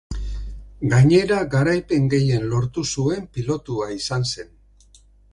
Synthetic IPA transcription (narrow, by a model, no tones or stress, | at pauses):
ɡaɲe̞ɾaɡaɾajpe̞ŋɡe̞je̞nlo̞ɾt̪usue̞mpilo̞t̪uaisanse̞n